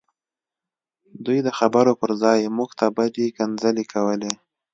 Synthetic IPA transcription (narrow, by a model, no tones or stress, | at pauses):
d̪ujd̪əxabəɾopəɾzɑjmuɡt̪abadekanzəlekʰawəle